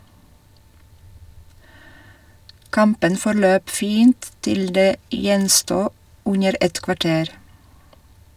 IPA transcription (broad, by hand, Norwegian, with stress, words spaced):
ˈkɑmpən fɔɾˈløːp ˈfiːnt ˈtɪl ˈdeː ˈjɛnstuː ˈʉnəɾ ˈɛt kʋɑˈʈeːɾ